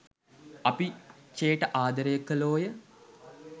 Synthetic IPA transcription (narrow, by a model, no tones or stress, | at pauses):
ɐpit͡ʃeːʈəʔaːd̪əɾəjəkːəloːjə